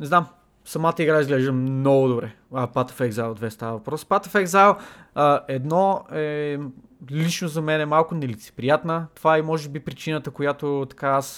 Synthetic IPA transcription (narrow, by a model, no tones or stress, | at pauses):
nɛznam | sɐmat̪əiɡɾaizɡlɛʒd̪əmnɔɡʊd̪obɾɛ | əpat̪ə̥fɛɡzalˠd̪vɛst̪avəvɐpɾɔspat̪əfɛɡzalˠəɛd̪nɔɛ | lit͡ʃnozɐmɛnɛmalˠkʊnɛlit̪sɛ̥pɾijat̪nət̪ovaɛmɔʒɛbipɾit͡ʃinət̪əkojat̪ot̪ɐ̥kaas